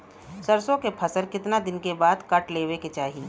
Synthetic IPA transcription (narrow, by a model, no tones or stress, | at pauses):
sɐɾsõkepʰɐsəlkɪt̪nad̪ɪnkebaːd̪kɐʈleːweket͡ʃaːɦi